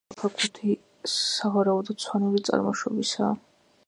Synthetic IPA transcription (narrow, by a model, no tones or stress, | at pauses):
pʰakʰʼut̪ʰi | avaɾaud̪ɔsʰwaniɾit̪sʼa̰ɾmɔʃɔbisa̰ː